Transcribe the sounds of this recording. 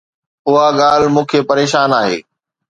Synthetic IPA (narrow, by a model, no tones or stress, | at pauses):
ʊɦaɠaːl̤mũːkʰepɐɾeːʃaːnaːɦḛː